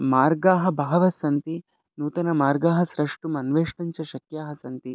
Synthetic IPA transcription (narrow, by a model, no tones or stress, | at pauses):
maːɾɡaːɦɐ̆bʱaːʋɐsɐnt̪i | nuːt̪ɐnɐmaːɾɡaːɦɐsɾɐʂʈumɐnʋeːʂʈɐɲt͡ʃɐʃɐkjaːɦɐsɐnt̪i